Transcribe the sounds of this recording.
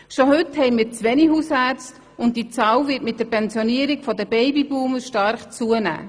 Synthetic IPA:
ʃohʏthɛɪmiːt͡sʋɛnihuːsæːt͡st | ʊnt̚d̥it͡sɑːwvɪtmɪt̚d̥əɾpʰɛnsjoniəɾɪɡfɔdəb̥ɛɪbibuːməʃtɑɾχt͡suənæ̰ː

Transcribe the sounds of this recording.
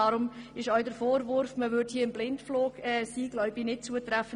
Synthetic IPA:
ɑɾʊmɪʃœʏdəɾfoːɾvʊɾfməvʏɾthiːɐɪmblɪntfloːɡ̥ɛːsiːɡlœʏbɪnɪt̚t͡suətɾæfə

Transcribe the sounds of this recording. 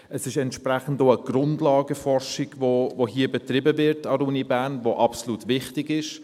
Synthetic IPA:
əsɪʃɛntʃprɛχn̩doəɡ̥rʊndlɑːɡəfɔrʃɪɡ̥vovoɦiːəbɛtrɪbəvɪɾtɑɾuːnibæːnvoʔɑpsoluːtʋɪχtɪɡɪʃ

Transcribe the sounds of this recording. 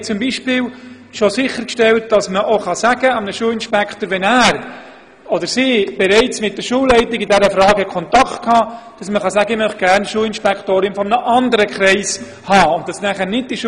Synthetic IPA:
t͡sʊmbiːʃpɪːl | ʃosɪχːəɾkʃtɛlt̚d̥ɑsməʔoχɑsæɡ̥əɑmnəʃuːlɪnʃpɛkχtəːɾʋɛnæːɾ | odəɾsiːb̥ɛɾɛɪt͡smɪt̚d̥əɾʃuːlːɛɪtɪɡɪdɛɾəfɾɑːɡhɛkʰɔntɑkχtkʰhɑːd̥ɑsməχɑsæɡəɪmœχt̚ɡ̥æːɾnʃuːlɪnʃpɛkχtoːɾɪnfɔmnəʔɑndəɾəkʰɾɛɪs | hɑːʊnt̚d̥ɑsnæχəɾnɪd̚d̥iʃ

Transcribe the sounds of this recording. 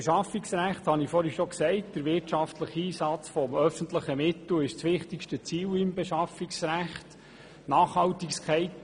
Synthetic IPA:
eʃɑfɪksɾæχthɑnifɔːɾhiʃɔksɛɪtd̥əɾʋɪɾtʃɑftʰləχiːsɑt͡sfɔmœfəntləχəmɪt̪l̩ɪʃt͡sʋɪχtɪkʃtət͡siːlɪmbɛʃɑfɪksɾæχt | nɑːχhɑltɪkskχɛɪt

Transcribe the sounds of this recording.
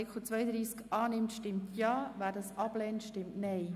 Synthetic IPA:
ɪkχut͡sʋœjəd̪ɾiːskɑːnɪmtʃtɪmtʰjɑːvæːɾdɑsɑb̥lɛːntʃtɪmtnɛɪ

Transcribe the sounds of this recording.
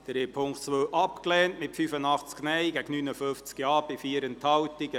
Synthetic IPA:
d̥ɾeːpʰʊŋktt͡sʋøːʔɑpklɛːntmɪtfyfənɑχt͡sknɛɪɡæɡnynəføft͡skjɑːb̥ɪfiəɾənthɑwtiɡə

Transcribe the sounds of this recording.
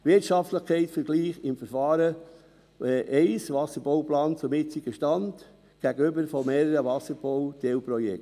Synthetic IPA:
ʋɪɾtʃɑftləχkʰɛɪtfəɾɡ̥liːχɪmfəɾfɑːɾə | ʔɛɪsʋɑsːəɾb̥owplɑːnt͡sʊmɪt͡sɪɡ̥əʃtɑnd | ɡ̥æɡəʏbəɾfɔmeːɾəɾəʋɑsəɾb̥owt̪ewpɾɔjɛ̰k

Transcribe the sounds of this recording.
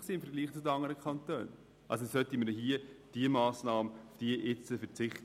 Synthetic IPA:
siːɪmfəɾɡliːχt͡sʊdəɑŋəɾəkʰχɑntø̰ːn | ʔɑ̰ls̬osœtiməɾdɦiəd̥iəmɑːsnɑːməʊfd̥iəʔɪt͡səfɛɾt͡sɪχt

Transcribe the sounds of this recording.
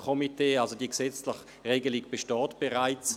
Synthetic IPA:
kʰɔmiteːalzodiəksɛt͡slɪχ | ʁeːɡəliɡb̥eʃtɑːtb̥eʁaɪt͡s

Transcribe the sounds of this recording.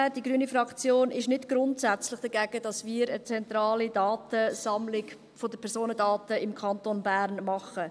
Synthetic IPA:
d̥iɡɾyːənifɾɑkt͡sjoːnɪʃnɪdɡ̥ɾʊntsæt͡slɪχd̥æɡɛɡəd̥ɑsmiːɾət͡sɛntɾɑːlidɑːtəsɑmlɪɡ | fodəpʰɛɾsoːnədɑːtəɪmkʰɑntonbæːɾnmɑχə

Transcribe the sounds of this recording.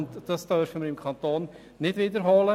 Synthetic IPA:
nt̪d̪əst̪œːɾfœmɪmkʰɑnt̪oːn | nɪt̪vʋiːd̪əɾɦɔːlə

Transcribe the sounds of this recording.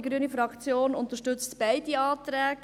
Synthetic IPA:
iɡɾyənifɾɑkt͡sjoːnʊnt̪əʃtʏt͡stb̥ɛɪdiɑːtɾɛːɡ

